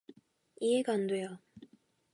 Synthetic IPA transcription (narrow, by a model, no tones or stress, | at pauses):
ieɡandwe̞jo